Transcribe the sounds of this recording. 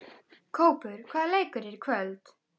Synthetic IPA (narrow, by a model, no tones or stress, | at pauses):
kʰowpʏɾkʰvaːlejkəɾɪɾkʰvœlt̪